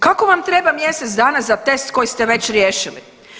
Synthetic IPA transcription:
kako̞ʋamt̪ɾe̞bamje̞set̪sd̪aːnazat̪e̞st̪ko̞jist̪eʋe̞t͡ɕɾjeːʃilḭ

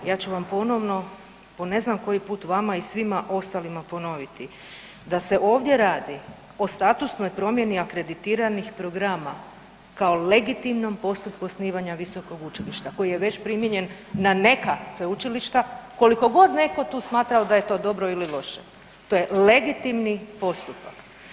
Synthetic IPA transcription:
jaːt͡ɕuʋampo̞no̞ʋno̞ | po̞ne̞znamko̞jipuːt̪ʋamaisʋimaʔo̞st̪alimapo̞no̞ʋit̪i | d̪ase̞ʔo̞ːʋd̪je̞ɾaːd̪i | o̞st̪at̪usno̞jpɾo̞mjeniakɾe̞d̪it̪iːɾanixpɾo̞ɡɾama | kaole̞ɡit̪imno̞mpo̞st̪upkusniːʋaɲaʋiso̞ko̞ɡut͡ʃiliʃt̪ako̞jije̞ʋe̞t͡ɕpɾimjeɲe̞nː | ane̞kasʋeut͡ʃiliʃt̪ako̞liko̞ɡo̞d̪ne̞ko̞t̪uːsmaːt̪ɾaod̪aje̞t̪o̞ːd̪o̞bɾo̞ililo̞ʃe | t̪o̞jele̞ɡit̪imnipo̞st̪upak

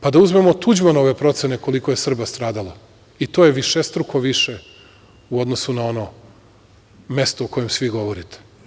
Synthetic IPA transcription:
pad̪auzme̞mo̞t̪ud͡ʑmonao̞ʋe̞pɾo̞t̪seneko̞liko̞je̞sr̩bast̪ɾaːd̪alˠa | it̪ojeʋiʃest̪ɾukʰo̞ʋiʃe | uo̞d̪nosunao̞no | me̞st̪oːko̞jemsʋiɡo̞ʋo̞ɾit̪ʰe̥

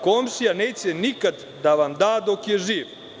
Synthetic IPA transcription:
komʃijaneːt͡ɕenikad̪ | d̪aʋamd̪aːd̪okjeʒiːʋ

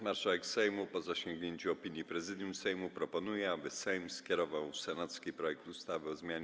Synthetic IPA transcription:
maɾʂawɛksɛjmupɔzaɕɔŋɡɲeɲt͡ɕuɔpʲiɲjipɾɛzɘd̪ʲjumsɛjmupɾɔpɔnujɛabɘsɛjmskʲjɛɾɔvawsɛnat̪skʲipɾɔjɛkt̪ust̪avɘɔzmʲjaɲ

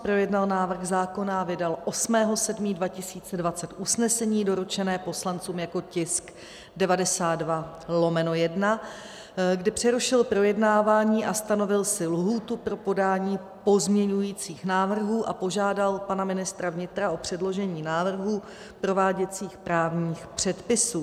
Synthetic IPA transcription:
pɾo̞jɛdnalnaːvr̩xzaːko̞navɪdalʔo̞smɛːɦo̞sɛdmiːdvacɪsiːt͡sɛdvat͡sɛt̪ʔusnɛsɛɲiːdo̞ɾut͡ʃɛnɛːpo̞slant͡suːmjako̞cɪsk | dɛvadɛsaːd̪dva | lo̞mɛno̞jɛdna | ɡdɪpr̥ɛɾuʃɪlpɾo̞jɛdnaːvaːɲiːʔast̪ano̞vɪlsɪlɦuːt̪upɾo̞po̞daːɲiː | po̞zmɲɛɲujiːt͡siːxnaːvr̩ɦuːʔapo̞ʒaːdalpanamɪnɪst̪ɾavɲɪt̪ɾaʔo̞pr̝̥ɛdlo̞ʒɛɲiːnaːvr̩ɦuː | pɾo̞vaːɟɛt͡siːxpɾaːvɲiːxpr̝̥ɛt̪pɪsuː

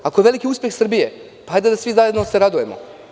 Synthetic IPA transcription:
ako̞jeʋe̞likiuːspjexsr̩bije̞ | paajd̪ad̪asʋizajed̪noseɾad̪uje̞mo̰

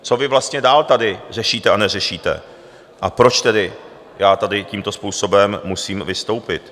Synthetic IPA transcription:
t͡so̞vɪvlast̪ɲɛdaːlt̪adɪr̝ɛʃiːt̪ɛanɛrɛʃiːt̪ɛ̰ | ʔapɾo̞t͡ʃt̪ɛdɪ | jaːt̪adɪciːmt̪o̞spuːso̞bɛmːusiːmvɪst̪o̞wpɪt̪

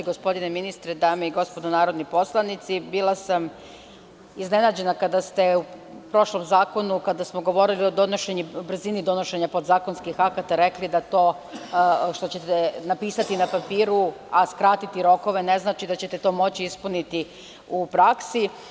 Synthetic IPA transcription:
ɡo̞spo̞d̪ineminist̪ɾed̪aːmeiɡo̞spo̞d̪onaːɾo̞d̪nipo̞slˠanit̪sibilˠasam | izne̞naːd͡ʑe̞nakad̪ast̪e̞u | pɾo̞ʃlo̞mzaːkonukad̪asmoɡo̞ʋo̞ɾilio̞d̪o̞noʃe̞ɲubr̩zinid̪o̞no̞ʃe̞ɲapo̞d̪zaːko̞nskixakat̪aɾe̞klid̪at̪o̞ː | ʃt̪o̞t͡ɕe̞t̪enapiːsat̪inapapiːɾuaskɾat̪it̪iɾo̞ko̞ʋe̞ne̞znaːt͡ʃid̪at͡ɕet̪e̞t̪o̞mo̞t͡ɕiispunit̪i | upɾaksi

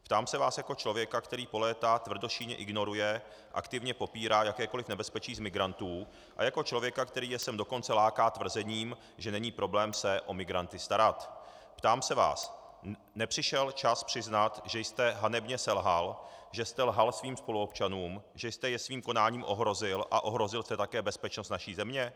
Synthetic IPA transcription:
pt̪aːmsɛvaːsjako̞t͡ʃlo̞vjɛkakt̪ɛɾiːpo̞lɛːt̪at̪vr̩do̞ʃiːɲɛ̰ʔɪɡno̞ɾujɛ | ʔa̰kt̪ɪvɲɛpo̞piːɾaːjakɛːko̞lɪfnɛbɛspɛt͡ʃiːzmɪɡɾant̪uː | ʔa̰jako̞t͡ʃlo̞vjɛkakt̪ɛɾiːjɛsɛmdo̞ko̞nt͡sɛlaːkaːt̪vr̩zɛɲiːm | ʒɛnɛɲiːpɾʔo̞blɛːmsɛʔo̞mɪɡɾant̪ɪst̪aɾat̪ | pt̪aːmsɛva̰ːs | nɛpr̥ɪʃɛlt͡ʃaspr̥ɪznat̪ʒɛjst̪ɛɦanɛbɲɛsɛlɦalʒɛst̪ɛlɦalsviːmspo̞luopt͡ʃanuːmʒɛjst̪ɛjɛsviːmko̞naːɲiːmʔo̞ɦɾo̞zɪlʔa̰ʔo̞ɦɾo̞zɪlst̪ɛt̪akɛːbɛspɛt͡ʃnost̪naʃiːzɛmɲɛ

